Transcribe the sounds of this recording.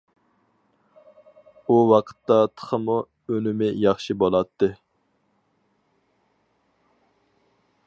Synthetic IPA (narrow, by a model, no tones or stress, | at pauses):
uwɑqʰə̥t̪ːɑt̪ʰə̥χʰəmu | ønɪmɪjɑχʃibolˠɑt̪ʰːɨ